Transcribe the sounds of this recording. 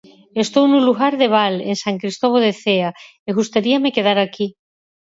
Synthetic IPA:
est̪ownuluɣaɾðeβ̞alḛŋsaŋkɾist̪oβ̞oðeθea | eɣust̪aɾiamekeð̞aɾaki

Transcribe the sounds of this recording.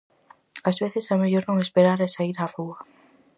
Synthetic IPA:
azβeθesɛmeʎoɾnõŋespeɾaɾesaiɾafua

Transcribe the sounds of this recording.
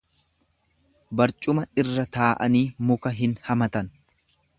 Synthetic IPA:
bɐɾt͡ʃʼʊmɐɪrːɐt̪aːʔɐniːmʊkɐɦɪnhɐmɐt̪ɐn

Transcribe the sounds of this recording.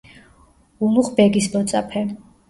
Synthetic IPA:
umuχbɛɡisbɔt̪sʼapʰɛ

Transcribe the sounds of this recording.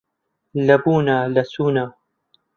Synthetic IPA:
lɐbuːnaːlɐsuːnaː

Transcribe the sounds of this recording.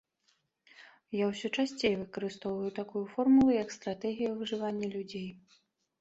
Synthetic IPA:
jawsʲɔt͡ʂasʲt͡sʲejɛvɨkɐɾɨst̪ɔwvɐjut̪akujufɔrmulˠɨjɐkst̪ɾat̪ɛɣʲijɐwvɨʐɨvanʲːɛlʲud͡zʲej

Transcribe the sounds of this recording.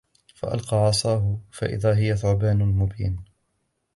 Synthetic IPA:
fa̰ʔa̰lqɑːʕɑsˤɑːɦʊfaʔɪ̰ðaːɦɪjaθʊʕbaːnʊlmʊbiːn

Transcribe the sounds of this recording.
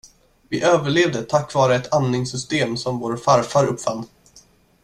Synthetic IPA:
vɪʔøːvəɭeːvd̪ət̪ʰakːvɑːɾəɛt̪ʰanːɪŋsʏst̪eːmsɔmvoːɾafaɾfaɾɵpːfanː

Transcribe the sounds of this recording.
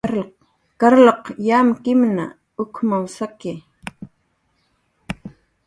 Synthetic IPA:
kaɾloqjaːmkɪmna̰ | ʊkmawsakɪ

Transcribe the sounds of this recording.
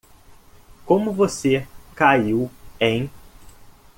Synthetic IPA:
kõmʊvosekaiwẽj̃

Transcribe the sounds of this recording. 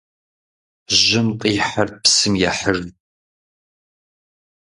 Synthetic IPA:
ʑɪmqʼiːħarpsɨmjɛħər

